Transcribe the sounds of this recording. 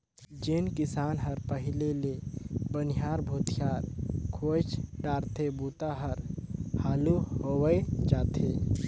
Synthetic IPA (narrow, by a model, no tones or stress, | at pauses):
d͡ʒeːnkɪsaːnɦəɾpəɦɪlelebənɪjaːɾbʱoːt̪ʰjaːɾkʰoːt͡ʃɖaːɾt̪ʰebuːt̪aɦəɾhaːluɦoːwəed͡ʒaːt̪ʰeː